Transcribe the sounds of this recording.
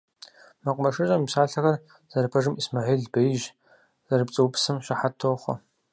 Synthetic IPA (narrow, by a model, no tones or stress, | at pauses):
mɐqʷʼmɐʂɨɕʷʼɐmipɕaːɬɐɣɐr | z̥ɐrpʰɐʐɨmismaʕiːlɮbɐjʒ | z̥ɐrɨpt͡sʼɨwpsɨmɕʷaħatʰoːχʷɔ̰